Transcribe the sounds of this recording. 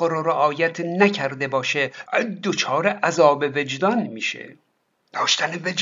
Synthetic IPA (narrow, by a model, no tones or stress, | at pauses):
ɾoɾeʔɒːjæt̪ʰnæcʰæɾd̪e̞bɒːʃed̪ot͡ʃʰɒːɾeʔæzɒːbeve̞d͡ʒd̪ɒnmiːʃḛ | d̪̥ɒːʃt̪æneved͡ʒ